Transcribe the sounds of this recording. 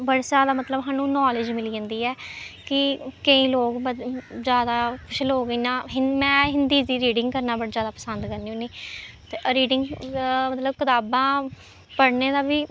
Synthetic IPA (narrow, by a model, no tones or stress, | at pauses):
bəɽsaːd̪aːmət̪ləbɦaːnũːnɔːlɪd͡ʒmɪliːə̃ːnd̪iːɛːkɪkəĩːloːɡbəzjaːd̪aːkʰʊʃʰloːɡəiːnãːɦɪmɛ̃ːɦɪnd̪iːziːɾiːɖɪ̃ŋɡkəɾnaːbəɽzjaːd̪aːpə̥sənd̪kəɾniːũːniːt̪eːɾiːɖɪ̃ŋɡmət̪ləbkɪt̪aːbãː | pəɽneːd̪aːbiː